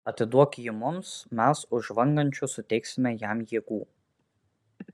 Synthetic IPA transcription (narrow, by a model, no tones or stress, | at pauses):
ɐt̪ʲɪd̪uɔkʲɪmʊmsmʲæsʊʒʋɐŋɡɐnʲt͡ʃʲʊsʊt̪ʲɛɪksʲɪmʲɛjæmjiːɡuː